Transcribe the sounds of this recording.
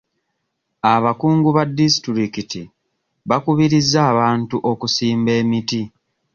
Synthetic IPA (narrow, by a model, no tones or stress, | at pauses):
aβakuːŋɡuβadːisi̥tuɾikiti | βakuβiɾizːaːβaːntuʔo̞kusiːmbe̞ːmiti